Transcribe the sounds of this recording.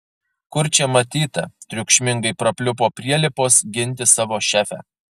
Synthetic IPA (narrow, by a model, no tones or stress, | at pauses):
kʊɾʲt͡ʃʲɛmɐt̪ʲiːt̪ɐt̪ʲɾʲʊkʃʲmʲɪŋɡɐɪpɾɐpʲlʲʊpoːpʲɾʲiɛlʲɪpoːsɡʲɪnʲt̪ʲɪsɑːʋoːʃʲæːfʲæ̰